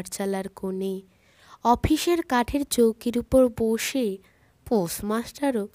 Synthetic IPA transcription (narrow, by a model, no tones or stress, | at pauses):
ʈt͡ɕalaɾkone | ɔpʰiʃeɾkaʈʰeɾt͡ɕowkiɾupoɾboʃe | posmasʈaɾo